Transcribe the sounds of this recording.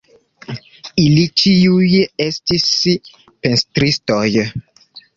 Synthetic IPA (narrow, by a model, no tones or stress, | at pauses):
ilit͡ʃiujestis | penstɾistoj